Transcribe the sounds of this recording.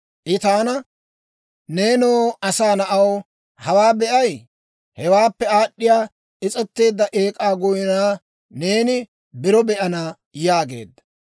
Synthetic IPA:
ʔɪt̪aːnɐ | ne̞ːnoːɐsaːnɐʔɐw | hɐwaːbɛʔɐj | hɛwaːpːɛaːɗːɪjaː | ʔɪt͡sʼɛt̪ːe̞ːd̪ːɐʔeːkʼaːɡʊjɪnaː | ne̞ːnɪ | bɪɾɔbɛʔɐnaː | jaːɡe̞̰ːd̪ːɐ̥

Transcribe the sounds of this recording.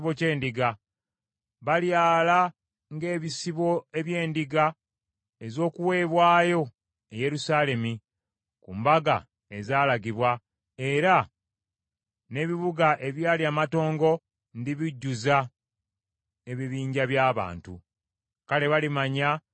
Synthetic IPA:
βo̞ce̞ːndiɡa | βaljaːla | ŋɡe̞ːβisiβo̞e̞βje̞ːndiɡa | ezo̞ːkuwe̞ːβwaːjo̞ | eje̞ɾusaːle̞mi | kuːmbaɡa̰ | e̞zaːlaɡiβwa | e̞ɾa | ne̞ːβiβuɡaʔe̞βjaːliamato̞ːŋɡo̞ | ndiβiɟːuza | e̞βiβiːɲɟaβjaːβa̰ːntṵ | kale̞βalimaɲa

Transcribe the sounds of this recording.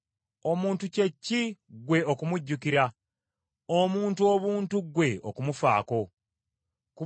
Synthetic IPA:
o̞muːntuce̞cːiɡwe̞ʔokumuɟːukiɾa | omuːntuo̞βuːntuɡwe̞o̰kumufa̰ːko̞ | ku

